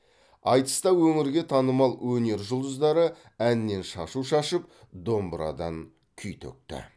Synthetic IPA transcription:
ɑjt̪ə̥st̪ɑwɵŋɪɾɡʲe̞t̪ʰɑnəmɑlˠwɵne̞ɾʒʊlˠd̪əzd̪ɑɾə | ænɪnːe̞nʃɑ̰ʃuʃɑʃəp̚ | d̪o̞mbəɾɑ̰d̪ɑŋ | kʲʰʏjt̪ʰɵ̰k̚t̪ɪ̰

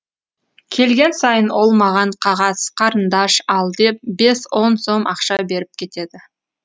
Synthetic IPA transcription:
kʲʰe̞lɡʲe̞nsɑjənolˠmɑʁɑɴqʰɑʁɑz̥qʰɑɾənd̪ɑʃɑlˠd̪e̞p̚be̞swo̞nso̞mɑqʃɑbe̞ɾɪp̚kʲʰe̞t̪e̞d̪ɪ

